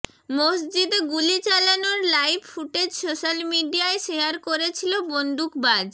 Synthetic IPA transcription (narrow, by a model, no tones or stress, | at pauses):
mosd͡ʑid̪eɡulit͡ɕalanoɾlajbfuʈed͡ʑsoʃalmiɖiaeʃeaɾkoɾet͡ɕʰilobond̪ʱukbad͡ʑ